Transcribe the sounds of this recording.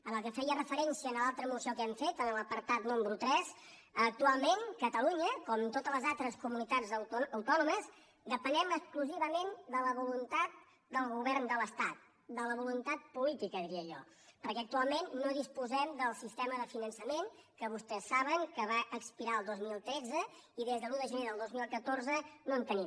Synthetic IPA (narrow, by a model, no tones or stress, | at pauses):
əməkəfɛjərəfəɾɛnsiəːnəlalˠt̪ɾəmusiokɛmfet̪ənələpəɾt̪at̪numɾut̪ɾɛz | ək̚t̪ualˠmeŋkət̪əluɲəkɔmt̪ot̪ələzalˠt̪ɾəskumunit̪ad͡zəwt̪ɔnuməz | d̪əpənɛməkskluziβəmend̪ələβulunt̪at̪̚ | d̪əlˠɣuβɛɾnd̪ələst̪at̪̚ | d̪ələβulunt̪at̪̚pulit̪ikəðiɾiəʒɔ̰ | pəɾkɛək̚t̪ualˠmenːoðispuzɛmd̪əlˠsist̪ɛməðəfinənsəmeŋkəβust̪ɛsːaβəŋkəβaʔəkspiɾaəlˠd̪ozmilˠt̪ɾɛd͡zəiðezðəluðəʒəneðəlˠd̪ozmilˠkət̪oɾzənoənt̪əni